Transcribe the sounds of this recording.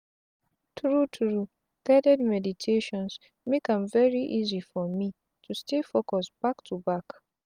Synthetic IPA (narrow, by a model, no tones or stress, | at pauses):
tʰɹutʰɹu | ɡ̥adɛdmɛditʰeʃɔ̃ns | mekãmvɛɹiʔizifɔmi | tʰustefokɔsb̥aktʰubak